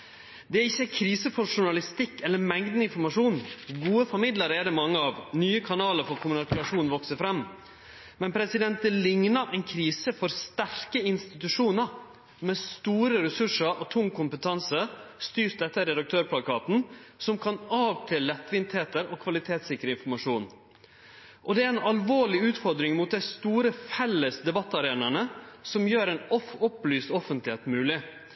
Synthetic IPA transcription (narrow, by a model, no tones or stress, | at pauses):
d̪ɛæɾɪçːəækʰɾiːsəfɔʂʊɳɑlɪst̪ɪkːɛlːəɾmɛŋd̪nəɪnfɔɾmɑʂuːnɡuːəfɔɾmɪd̪ləɾəɛd̪ɛmɑŋːəɑʋnyːəkʰɑnɑːləɾfɔɾkʰʊmnɑkɾɑʂuːnʋɔksəfɾɛmː | mɛnpʰɾɛsɪd̪ɛnt̪̚d̪ɛlɪŋnɑʔɛɪnkʰɾiːsəfɔɾst̪æɾkəɪnst̪ɪt̪ʉʂuːnəɾ | mɛst̪uːɾəɾɛsʉʂəɾʔɔt̪ʰʊŋːkʰʊmpət̪ʰɑnsəst̪yːɾtd̪ɛt̪ːəəɾɛd̪ɑkt̪ʰøːɾpʰlɑkɑːt̪n̩sɔmkʰɑnɑːʋt̪ʰɪlːɛt̪ːʋɪnt̪heːt̪əɾɔkʰʋɑlɪt̪ʰeːt̪sɪkəɾəɪnfɔɾmɑʂuːn | ʔɔd̪ɛæɾɛnɑlʋoːɭɪʉːt̪fɔɾd̪ɾɪŋmʊːt̪̚d̪æɪst̪uːɾəfɛlːəsd̪ɛbɑt̪ːɑɾeːnəɳəsɔmjøːɾɛnɔfɔplyːst̪ɔfənt̪lɪeːt̪mʉːlɪ